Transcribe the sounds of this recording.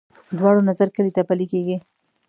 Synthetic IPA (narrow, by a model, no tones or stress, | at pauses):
d̪wɑɽonazaɾkəlit̪apalikeɡi